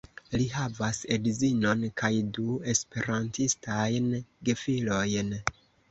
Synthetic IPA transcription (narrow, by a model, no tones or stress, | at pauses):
liɦavasedizino̞nkʰajdue̞spe̞ɾantistajnɡefilo̞jn